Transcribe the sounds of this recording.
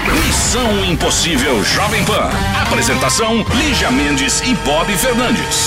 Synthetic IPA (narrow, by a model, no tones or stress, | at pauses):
misɐ̃w̃ĩposivɛwʒɔvẽj̃pɐ̰̃ | apɾezẽnt̪asɐ̃w̃liʒɐmẽnd͡ʒɪsɪbɔbifeɾnɐ̃nd͡ʒɪ̰s